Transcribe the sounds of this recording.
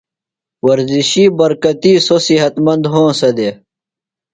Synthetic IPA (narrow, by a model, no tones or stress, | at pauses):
wɐɾziɕiːbɐɾkɐt̪iːsosiɦɐt̪mɐnd̪ɦõːsɐd̪e